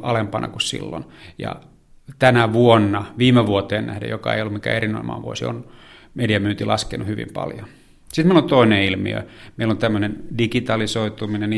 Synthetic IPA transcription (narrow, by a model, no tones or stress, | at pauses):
ɑlempɑnʔɑ̰kussḭlːo̰njɑ̰ | t̪ænæʋuonːɑʋiːmeʋuot̪eːnnæhdḛjokɑḛijolːumikæ̰erino̰ḭmːɑ̰ːʋuosio̰n | mediɑmyːnt̪ilʔɑskenuhyʋḭmpɑ̰ljo | sit̪meilont̪oineilmḭø̰meilont̪æmːønendikit̪ɑlisoit̪uminen